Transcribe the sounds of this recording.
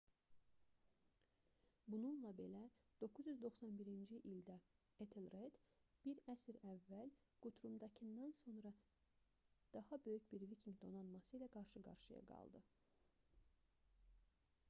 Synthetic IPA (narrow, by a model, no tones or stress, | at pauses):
bununlˠɑbe̞læ | d̪̥o̞kʰːuzjyzd̪o̞xsɑnbiɾind͡ʒiʔild̪æ | et̪ʰelred̪̥ | b̥iɾæsiɾævːæl | ɡ̥ut̪ʰɾumd̪ɑcʰɯnd̪ɑnso̞nɾɑ | d̪̥ɑhɑbø̞jycbiɾvicʰiŋɡd̪o̞nɑnmɑsɯilæɡɑɾʃɯɡɑ̰ɾʃɯjɑ̰ɡɑ̰lˠd̪ɯ